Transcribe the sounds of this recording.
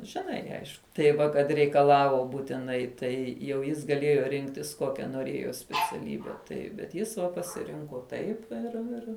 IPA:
ʒʲɪˈnɐɪ ˈɐɪʃkʊ tɐɪ ˈʋɐ kɐt rʲɛɪkɐˈlˠɑːʋoː buːtʲɪˈnɐɪ ˈtɐɪ jɛʊ ˈjɪs ɡɐˈlʲeːjoː ˈrʲɪŋktʲɪs ˈkoːkʲɛ noːˈrʲeːjoː sʲpʲɛt͡sʲɛˈlʲiːbʲɛ ˈtɐɪp bʲɛt ˈjɪs ʋɐ pɐsʲɪˈrʲɪŋkoː ˈtɐɪp ɪr ˈɪr

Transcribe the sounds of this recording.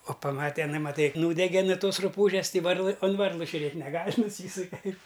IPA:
oː pɐˈmɑːtʲɛ ɪˈnɐɪ mɐˈtɐɪ ˈnuːdʲɛɡʲɛ nʊ ˈtoːs rʊˈpuːʒʲɛs ˈtɐɪ ˈʋɐrlˠɨ oːn ˈʋɐrlˠɨ ʒʲʊˈrʲeːtʲ nʲɛˈɡɐlʲ nʊˈsʲiːsʊkʲɛ

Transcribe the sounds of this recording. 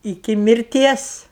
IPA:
ɪˈkʲɪ mʲɪrʲˈtʲiɛs

